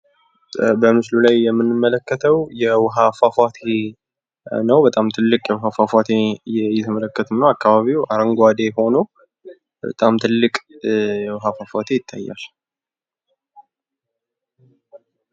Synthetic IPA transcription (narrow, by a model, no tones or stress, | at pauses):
bəmɨslulajːɛmːɨnːɨmːələkːət̪ʰəwjɛwɦafafat̪ʰe | nəwbət̪ʼamt̪ʰɨlːɨkʼjɛwʊɦafafʷat̪ʰejɛjɛt̪ʰɨmələkːət̪ʰɨmnəwakʰːaβaβiwaɾəŋɡʷad̪eho̞no | bə̰t̪ʼamt̪ʰɨlːɨkʼjɛwɦafafat̪ʰejɪt̪ʰːa̰jːa̰l